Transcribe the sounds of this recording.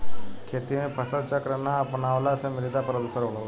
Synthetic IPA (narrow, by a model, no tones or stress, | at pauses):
kʰeːt̪imẽpʰəsəlt͡ʃakɾənaɐpnaːʋlasemɪlid̪apɾəd̪səɾɦoɽo